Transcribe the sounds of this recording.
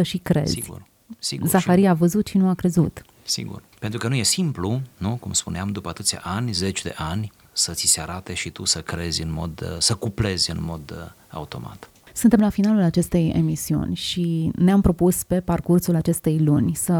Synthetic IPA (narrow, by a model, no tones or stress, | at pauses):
əʃikɾe̞̰z̥ʲṵr | sizaxaɾijaːvəzut̪ʃinuakɾe̞zṵt̪ | sḭɡṵrpent̪ɾukənuje̞simplunukumspuneamd̪upəat̪ɨt̪sʲja̰ʔanʲze̞t͡ʃʲd̪e̞̰ʔanʲ | sət̪siseaɾat̪e̞ʃit̪usəkɾe̞zʲɨnmo̞̰d̪səkuple̞zʲɨ̰nmo̞d̪ | a̰ut̪o̞̰mʔa̰t̪ | sɨnt̪e̞mlafinalulat͡ʃe̞st̪e̞je̞̰misiṵnʲʃineampɾo̞puspe̞parkursulat͡ʃe̞st̪e̞jlunʲsə